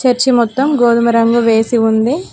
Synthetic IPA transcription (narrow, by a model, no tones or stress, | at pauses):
t͡ʃɐɾt͡ʃimɔt̪ːɐmɡoːd̪umɐɾɐŋɡuʋe̞ːsiund̪i